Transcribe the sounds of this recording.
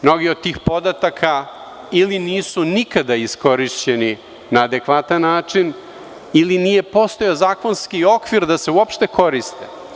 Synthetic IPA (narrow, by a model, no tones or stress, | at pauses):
mno̞ɡiod̪̚t̪ːiːxpo̞d̪at̪akʰa | iliniːsunikad̪aisko̞ɾiʃt͡ɕe̞ni | naːd̪e̞kʋat̪anːaːt͡ʂin | ilinije̞po̞st̪ojozaːko̞nskio̞kʋiɾd̪ase̞uopʃt̪e̞kʰo̞ɾist̪e